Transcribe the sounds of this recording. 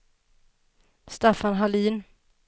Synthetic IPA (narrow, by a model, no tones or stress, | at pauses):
st̪afanɦaliːn